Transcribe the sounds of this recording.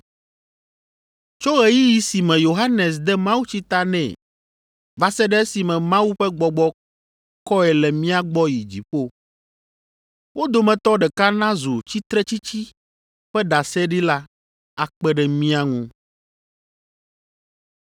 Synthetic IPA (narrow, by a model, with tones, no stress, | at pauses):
t͡ʃo˦ɣe˨ji˦ji˨si˨mɛ̃˨jo˨ɦa˦nɛ˨s̬d̪ɛ˦mã˦wu˦t͡ɕi˦t̪a˦nɛ̰̃˨ | va˨sɛ˦ɖɛ˦si˨mɛ̃˨mã˦wu˦ɸɛ˦ɡ͡bɔ˨ɡ͡bɔ˦ | kɔ˦ɛ˨lɛ˨mĩ˦a˨ɡ͡bɔ˦ji˨d͡ʑḭ˨ɸo˦ | wʔo˦d̪o˨mɛ̃˨t̪ɔ˦ɖɛ˨ka˦nã˦zo˨t͡ɕi˦t̪ɾɛ˦t͡ɕi˦t͡ɕi˦ | ɸɛ˦ɖa˨sɛ˦ɖi˦la˦ | a˨k͡pɛ˦ɖɛ˨mĩ˦a˦ŋũ˦